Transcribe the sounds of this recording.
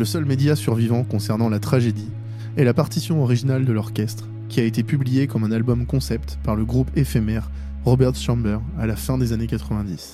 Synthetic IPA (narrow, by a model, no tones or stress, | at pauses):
ləsœlmed̪jasyʁvivɑ̃kɔ̃sɛʁnɑ̃lat̪χaʒed̪i | ɛlapaʁt̪isjɔ̃ɔʁiʒinald̪əlɔʁkʲɛst̪χ | kʲiaet̪epyblijekɔmɛ̃nalbɔmkɔ̃sɛpt̪paʁləɡʁupɛfɛmɛʁː | ɔbɛʁt̪ʃɑ̃bɛʁalafɛ̃d̪ezanekat̪χəvɛ̃d̪is